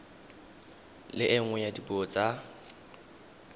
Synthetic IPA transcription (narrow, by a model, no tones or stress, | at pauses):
lɪʔɪŋ̩wɛjadibot͡sʼa